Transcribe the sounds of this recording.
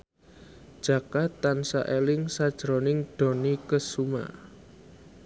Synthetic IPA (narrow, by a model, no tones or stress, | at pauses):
d̥ʒ̥a̤kat̪ːansa̰ʔelɪŋsad̥ʒ̥ɾonɪŋɖ̥o̤nikəsuma̰